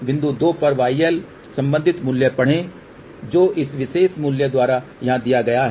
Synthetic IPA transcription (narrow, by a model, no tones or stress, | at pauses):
ʋɪ̃nd̪ud̪oːpɐɾʋaːiɛːl | sɐ̃mbə̃nd̪ʱɪt̪muljəpɐɽ̤ẽ | d͡ʒoːʔɪsʋɪʃeːʃmuljəd̪waːɾajɐɦãd̪ijaɡɐjaɦ